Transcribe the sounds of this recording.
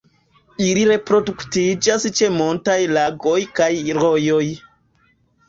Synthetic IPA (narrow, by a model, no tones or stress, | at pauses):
iliɾe̞pɾo̞duktid͡ʒast͡ʃe̞multajlaɡo̞jkajɾo̞jo̞j